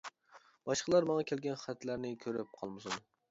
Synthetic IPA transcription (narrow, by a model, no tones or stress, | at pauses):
b̥ɒʃqʰɑlˠɑɾmɒŋɑkʲʰelɡʲanχat̪laɾnɪkʲʰɵɾɪp̚qʰɒ̰lˠmʊsʊn